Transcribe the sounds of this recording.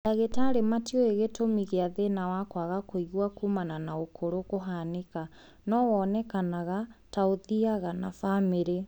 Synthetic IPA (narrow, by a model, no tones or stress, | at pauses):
aɣetaɾematiɔeɣetomiɣeaðenawakwaɣakoiɣwakuːmananaokʰoɾokoɦaneka | nɔwɔːnɛkanaɣataoðiaɣanafameɾe